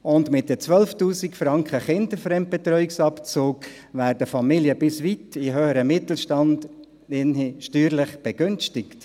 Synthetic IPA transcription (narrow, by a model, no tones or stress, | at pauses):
ʊndmɪt̚dət͡sʋœlftuːsikfɾɑŋkχəχɪndəfɾɛmt̚b̥ɛt̪ɾœʏɪksɑpt͡suːk | væːɾdəfɑmiljəbɪsʋitɪɦøːəɾəmɪt̪l̩ʃtɑnd | ɪnʃtyːɾlɪχb̥ɛɡʏnstɪkt